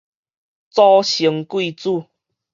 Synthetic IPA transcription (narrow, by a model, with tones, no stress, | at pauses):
t͡sɔ˦ɕi˨˦ŋkwi˥˧˨t͡su˥˧˨